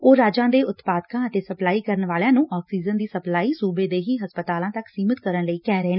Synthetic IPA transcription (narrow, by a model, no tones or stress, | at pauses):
oːɾaːd͡ʒãːd̪eːʔʊt̪paːd̪kãːət̪eːsəplaːiːkəɾənʋaːljãːnũːʔɔːksiːd͡ʒənd̪iːsəplaːiːsuːbeːd̪eːɦiːɦəspət̪aːlãːt̪əksiːmət̪kəɾənləiːkɛːɾeːn